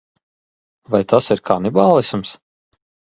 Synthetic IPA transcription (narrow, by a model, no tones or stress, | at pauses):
vajt̪asiɾkʰaːnibaːlˠisms